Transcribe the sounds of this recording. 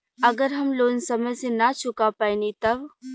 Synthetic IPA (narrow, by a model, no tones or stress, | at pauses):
ɐɡəɾɦɐmloːnsɐməjsenat͡ʃʰʊkapaːinit̪ɐb